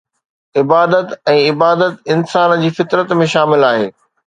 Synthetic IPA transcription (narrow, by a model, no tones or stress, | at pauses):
ɪbaːd̪ət̪ɛ̃ːɪbaːd̪ət̪ɪnsaːnd͡ʑiːfɪt̪ɾət̪mẽʃaːmɪlaːɦḛː